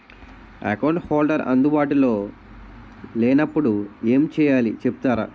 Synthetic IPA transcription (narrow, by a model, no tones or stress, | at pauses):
ɐ̰kɐwɳʈhoːlɖɐɾɐ̰nd̪ubaːʈulo̞ː | lɛːnɐpːuɽue̞ːmt͡ʃɛːjaːlit͡ʃepu̥t̪aːɾa̰ː